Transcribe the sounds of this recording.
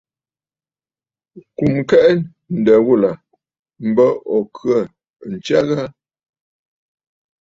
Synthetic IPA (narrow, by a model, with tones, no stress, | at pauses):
ku˨mkɛ˦ʔ | n̩˨də˨ɣu˦˨la˨ | m̩˨˦bə˦ɔ˨kʰɰə˦˨ | n̩˨t͡ʃa˦ɣa˦